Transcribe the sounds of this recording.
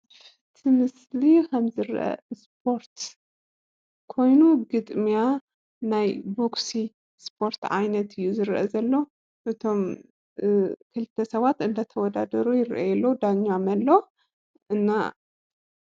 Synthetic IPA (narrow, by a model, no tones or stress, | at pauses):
fɨt̪ʰimɨs | likʰɐmzɨɾʔɐ̰spʰo̞ɾt̪ | kʰo̞jnuɡɨt̪ʼmija | najboksi | spʰo̞ɾt̪ʕa̰jnɐt̪ʰɨjːuzɨɾʔɐ̰zɐlːo̞ | ʔɨt̪ʰo̞m | kʰɨlɨt̪ʰːɐsɐβat̪ɨnd̪ɐt̪ʰɐwɔd̪ad̪ɐɾujɪɾʔɐ̰jɛlːod̪aɲːamɐlːo | ʔɨnːa̰